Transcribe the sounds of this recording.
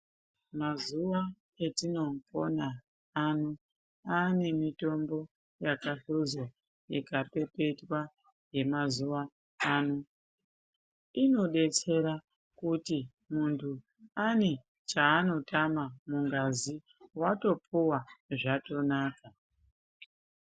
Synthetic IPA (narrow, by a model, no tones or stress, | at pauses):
mazuʋa | etino̞mpo̞na | anu | ane̞mito̞mbo̞ | jakaɬuzo | jḛkape̞pe̞twa | je̞mazuʋaː | nu | ino̞ɗe̞t͡se̞ɾa | kuti | muntʰu | ane | t͡ʃaːno̞tamamuŋɡazi | wato̞puwaʐato̞naːka